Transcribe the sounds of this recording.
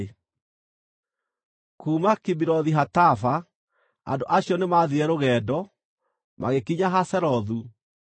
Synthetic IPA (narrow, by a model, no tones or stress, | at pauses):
kuːmakibiɾɔðiɦatafa | a̰ndoʔaɕiɔnemaðiɛɾoɣɛːdɔ | ma̰ɣekiɲaɦasɛɾɔðu